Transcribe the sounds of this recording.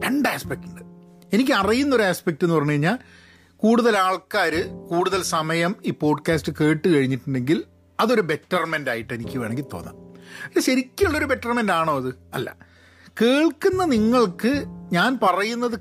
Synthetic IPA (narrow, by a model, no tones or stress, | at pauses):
ɾeɳɖaːspek̚tuɳɖɨ | e̞nik̬ʲːɨɐrijunːɐoɾuaːspek̚tːɨenːɨpɐrɐɲːukɐɻiɲːaːl | kuːɽuðɐlaːɭkaːɾɨkuːɽuðɐlsɐmɐjɐmiːpo̞ːɖkaːstɨke̞ːʈːɨkɐɻiɲːiʈːuɳɖe̞ŋɡil | ɐðo̞ɾube̞tːɐrmendaːjiʈːe̞nikʲːɨʋeːɳeŋɡilt̪o̞̰ːðɐ̰milːɐɕɐɾikʲːɐɭːoɾube̞tːɐrmendaːɳo̞ːɐðɨɐ̰lːɐ̰ | ke̞ːɭkunːɐniŋːɐɭkɨɲaːnpɐrɐjunːɐðɨ